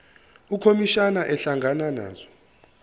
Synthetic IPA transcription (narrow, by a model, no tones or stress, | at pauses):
ukʰomiʃanaʔɛɬaŋɡʱanana̰ːzɔ